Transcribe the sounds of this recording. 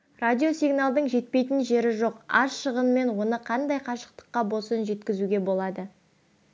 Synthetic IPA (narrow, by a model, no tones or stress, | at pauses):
radʲio̞sʲiɡnalˠd̪əɴʒe̞t̪̚pe̞jt̪ɪnʒe̞ɾɪʒo̞qɑ̰ʃəʁəmme̞nwo̞nəqʰɑnd̪ɑjqʰɑʃə̥qt̪ə̥qːɑbo̞sənʒe̞t̪kʲɪzuɡʲe̞bo̞lˠɑd̪ə